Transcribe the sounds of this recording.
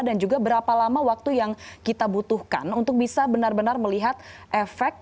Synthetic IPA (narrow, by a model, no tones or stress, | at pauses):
dand͡ʒuɡabəɾapalamawak̚t̪ujaŋkit̪abut̪uhka̰nunt̪ʊk̚bisabənarbənarməliɦat̪̚ʔefɛk̚